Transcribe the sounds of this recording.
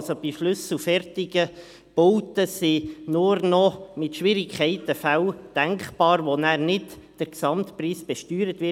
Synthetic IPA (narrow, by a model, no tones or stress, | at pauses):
sob̥iʃlɵsl̩fɛrtɪɡə | b̥ɔwtəsinʊɾnɔmɪtʃʋɪɾɪkʰχɛɪt̪əfæwd̥æŋkχb̥ɑːɾʋonæːɾnɪtd̥əɾksɑmtpriːsb̥ɛʃtyːɾət̪ʋɪ